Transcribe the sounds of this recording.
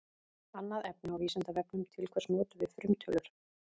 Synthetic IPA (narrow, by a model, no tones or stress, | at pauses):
anːaðɛp̚nɪawviːsant̪avɛpnʏmt̪ʰɪlkʰvɛrsnɔːt̪ʏvɪðfɾʏmt̪ʰœlʏɾ̥